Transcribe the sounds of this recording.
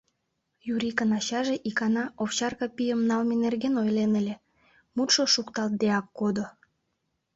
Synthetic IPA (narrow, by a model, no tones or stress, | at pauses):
juɾʲikənɑɕɑʒeʔikɑnɑofɕɑrkɑpijəmnɑlmenerɣenojlenəlʲe | mut̪ʃoʃukt̪ɑlt̪̚d̪eɑkːod̪o